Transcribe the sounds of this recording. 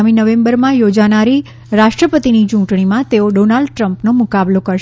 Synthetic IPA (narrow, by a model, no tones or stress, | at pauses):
minəʋẽmbəɾmãjod͡ʒanaɾi | ɾaʃʈɾəpət̪init͡ʃũɳʈɳimãt̪eoɖonalɖʈɾəmpnomʊkablokəɾʃ